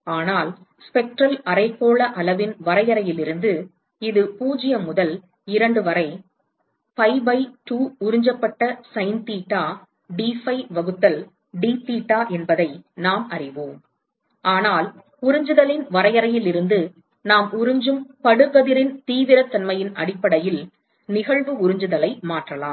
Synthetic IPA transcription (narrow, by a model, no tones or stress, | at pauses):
aːnaːl | spɛk̚ʈrɐlɐɾɐɪpːoːɭɐʔɐlɐʋɪnʋɐɾɐjɐɾɐjɪlɪɾɯnd̪ɯ | ɪðɯpuːd͡ʒɪjɐmʊðɐl | ɪɾɐɳɖɯʋɐɾɐɪ | pɐɪbɐɪʈuːʊɾɪɲd͡ʒɐpːɐʈːɐsɐɪnt̪iːʈːaː | ɖiːfɐɪʋɐɣɯt̪ːɐl | ɖiːt̪iːʈːaːʔɛnbɐðɐɪnaːmɐrɪʋoːm | ʔaːnaːl | ʊɾɪɲd͡ʒɯðɐlɪnʋɐɾɐjɐɾɐjɪlɪɾɯnd̪ɯ | naːmʊɾɪɲd͡ʒɯmpɐɽɯɣɐðɪɾɪnt̪iːʋɪɾɐt̪ːɐnmɐjɪnɐ̰ɽɪpːɐɽɐjɪl | nɪɣɐɭʋɯʊɾɪɲd͡ʒɯðɐlɐɪmaːʈrɐlaːm